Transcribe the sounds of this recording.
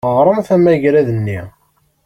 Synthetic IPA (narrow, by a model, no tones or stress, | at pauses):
əʁɾˤəmfæmæʝɾæðənːi